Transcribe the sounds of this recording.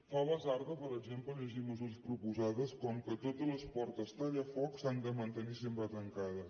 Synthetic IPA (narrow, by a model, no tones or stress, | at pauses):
faβəzaɾðəpəɾəɡzempləʎəʒiməzuɾəspɾupuzaðəskɔmkət̪ot̪ələspɔɾt̪əst̪aðafɔksand̪əmənt̪ənisempɾət̪əŋkaðə